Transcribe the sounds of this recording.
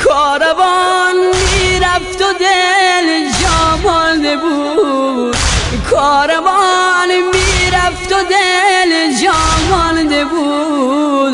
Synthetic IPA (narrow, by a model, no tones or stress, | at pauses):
kʰɔɾavɔnmiɾæft̪od̪eld͡ʒɔmɔnd̪ebu | d̪ | kʰɔːɾavɔnmiːɾaft̪od̪eld͡ʒɔmɔnd̪ebu | d̪